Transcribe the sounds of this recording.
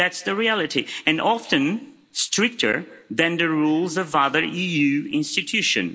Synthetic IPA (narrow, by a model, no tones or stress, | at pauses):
ætsðɨɹiælˠɨɾiɨ̃nʔɑfɨ̃n | stʰɹ̥ɪk̚tʰə̰˞ðɨ̃nðɨɹulˠzʌvʌðə˞ijʉɪ̰̃nstɨtʰʉʃɨ̰̃n